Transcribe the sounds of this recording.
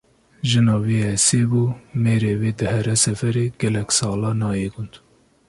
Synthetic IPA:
ʒɨnɑːweɛseːbuːmeːɾeːweːd̪ɨhɛɾɛsɛfɛɾeːɡɛlɛkʲsɑːlɑːnɑːjeɡʊnd̪

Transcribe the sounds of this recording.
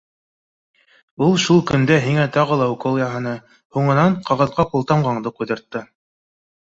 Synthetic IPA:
ulˠʃulˠkɵ̆nd̪æɦiŋæt̪ɑʁɤ̆lˠɑukolˠjɑɦɤ̆nɤ | huɴɤ̆nɑɴqʰɑʁɤ̆ðqɑqulˠt̪ɑmʁɑɴd̪ɤqujðɤ̆ɾt̪ːɤ

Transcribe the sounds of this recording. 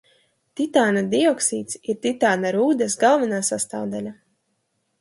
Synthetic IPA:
t̪ʲit̪aːnad̪iɔksiːt̪siɾt̪ʲit̪aːnaɾuːd̪ɛsɡalˠvinaːsast̪a̰ːvd̪alʲa

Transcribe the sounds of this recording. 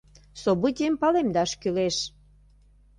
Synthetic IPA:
sobut̪ʲiəmpɑlemd̪ɑʃkyleʃ

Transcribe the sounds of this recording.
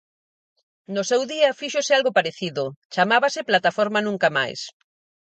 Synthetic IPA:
nʊsɛwðiɐfiʃosɪalɣopaɾeθiðʊt͡ʃamaβasɪplat̪afɔɾmanũŋkama̰js

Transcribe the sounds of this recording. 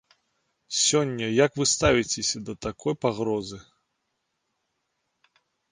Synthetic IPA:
sʲɔnʲːɐjakvɨst̪avʲit͡sʲesʲɐd̪ɐt̪akʰɔjpaɣɾɔzɨ

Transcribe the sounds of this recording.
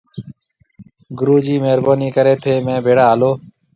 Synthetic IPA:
ɡʊɾuːd͡ʒiːmeːɾboːniːkəɾeːt̪ʰeːmẽːbʱeːɽaːaːloː

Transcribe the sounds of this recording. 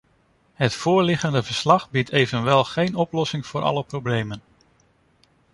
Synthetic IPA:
ɦətfʊːɹlɪχəndəvəɹslɑχbitʰejvənʋɛlˠχejnɔplɔsɪŋv̥ʊːɾʔɑ̰ləprowblejmən

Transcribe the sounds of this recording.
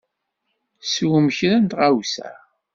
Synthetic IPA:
swəməçɾænt̪ʁawsæ̰

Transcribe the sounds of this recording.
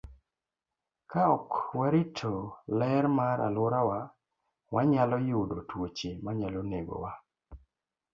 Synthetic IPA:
kaɔkwɛɾɪtʰolɛɾmaɾa̰lʊɾawa | waɲalɔjʊdotwot͡ʃemaɲaloneɡo̰wa

